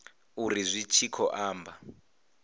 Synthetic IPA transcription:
urizʷit͡ʃʰikʰɔʔaːmba

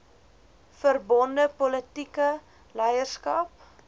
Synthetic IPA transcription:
fərbɔndəpɔlətikə | lɛjərskɐp̚

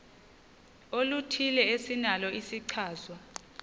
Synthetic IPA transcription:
olutʰilɛesinalɔisiǀʰaːzwa

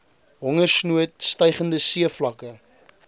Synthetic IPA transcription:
ɦɔŋərsnuət̚stəjχəndəsiəflɐkə

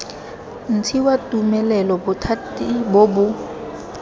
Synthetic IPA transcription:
n̩tʰiwatʼumɛlɛlɔbʊtʰatibobʊ

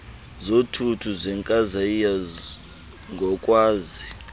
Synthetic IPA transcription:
zotʰutʰuzʷɛŋkʼazaija | ŋɡʱɔkʼwaːzi

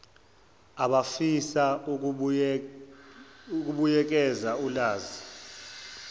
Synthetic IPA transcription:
aɓafisau | uk̬ʼuɓujɛk̬ʼɛzaulaːzi

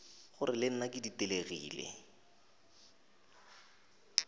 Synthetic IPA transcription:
χʊrɪlɪn̩nakɪditeleɣḭːlḛ

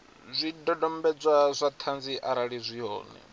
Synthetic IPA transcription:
zʷidɔdɔmbɛd͡zʷazʷat̪ʰand͡ziʔaɾaɺizʷiɦɔ̰ːnɛ̰

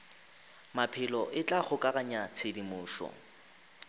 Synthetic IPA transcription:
mapʰɪlɔʔɪt͡ɬʼaχʊkʼaɣaɲat͡sʰedimʊːʃɔ̰

